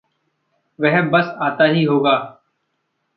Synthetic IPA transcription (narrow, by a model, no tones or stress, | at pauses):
ʋɛɦbəsaːt̪aːɦiːɦoːɡaː